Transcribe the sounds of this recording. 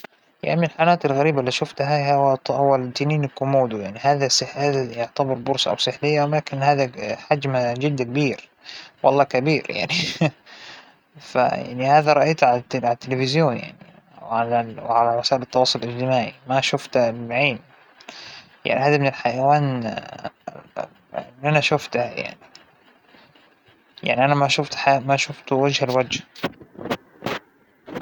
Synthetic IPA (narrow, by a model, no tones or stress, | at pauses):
ja̰ʕnimɪnɪlħanaːt̪ɪlɣaɾiːbalːiːʃʊft̪ɦaahʊwːat̪ːɪniːnɪkːʊmuːd̪ujaʕnihaːðasɪħaːðajʊʕt̪abɑɾˤbʊɾsʔa̰wsɪħlɪjːawlaːkɪnhaːðaħad͡ʒmad͡ʒɪd̪ːk̚biːɾ | wʔɑ̰lˤːɑːkabiːɾja̰ʕni | fa̰ja̰ʕnihaːðaɾˤɑʔajt̪ʕalʕalat̪ːɪlɪfɪzjoːnja̰ʕni | ʕalawʕalaɾˤɪsaːʔɪlɪt̪ːɑwɑːsˤʊlʔɪd͡ʒt̪ɪmaːʕimaʃʊft̪ːʕeːn | ja̰ʕnihaːd̪amɪnɪlħajawaːn | lːʔanaʃʊft̪hja̰ʕni | ja̰ʕniʔanamaʃʊft̪ħamaʃʊft̪wad͡ʒhalwad͡ʒh